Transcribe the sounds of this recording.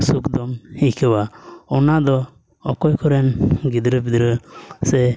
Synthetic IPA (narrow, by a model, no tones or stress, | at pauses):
sukd̪ɔmhikɛwaɔnad̪ɔ | ɔkɔjkʰɔɾɛnɡid̪ɾəbid̪ɾəsɛ